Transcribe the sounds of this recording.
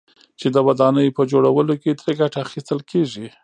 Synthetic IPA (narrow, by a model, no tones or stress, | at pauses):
t͡ʃed̪əwad̪ɑnəjpəd͡ʒoɽawəloked̪ɾeɡaʈaːxist̪əlkʰeʐi